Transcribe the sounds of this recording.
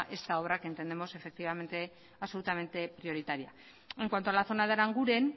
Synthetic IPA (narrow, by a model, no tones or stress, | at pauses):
ʔe̞st̪ao̞βɾake̞nt̪e̞nd̪e̞mo̞se̞fe̞k̚t̪iβame̞nt̪e̞ | aβso̞lut̪ame̞nt̪e̞pɾio̞ɾit̪aɾia | e̞ŋkwant̪o̞alaθo̞naðeɾaŋɡuɾe̞n